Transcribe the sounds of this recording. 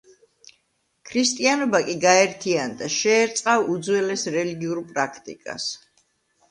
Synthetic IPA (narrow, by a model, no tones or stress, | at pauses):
kʰɾist̪ʼianɔbakʼiɡaɛɾt̪ʰiand̪aʃɛːɾt̪sʼqʼavud̪zwɛlɛsɾɛliɡiuɾpʼɾakʰt̪ʼḭkʼa̰s